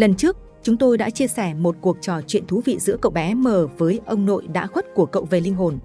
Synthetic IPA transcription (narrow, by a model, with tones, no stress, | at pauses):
lə˨˩nt͡ɕɨ˦˥ək̚ | t͡ɕʊ˨˦ŋ͡mt̪o˧jɗa̰ː˧˥t͡ɕi˧əsɛ˧˩mo˨˩t̚ku˨˩ək̚t͡ɕɔ˨˩t͡ɕwḭ˧˨ənt̪ʰu˨˦vḭ˧˨zɨ̰˧˥əkə̰˧˨wɓɛ˨˦məː˨˩vəː˨˦jʔə˧wŋ͡mno̰˧˨jɗa̰ː˧˥xwə˦˥t̚ku˧˩əkə̰˧˨wve˨˩lï˧ŋ̟ɦo˨˩n